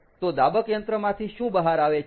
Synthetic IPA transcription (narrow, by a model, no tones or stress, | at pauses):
t̪od̪abəkjənt̪ɾəmãt̪ʰiʃũbəɦaɾaʋe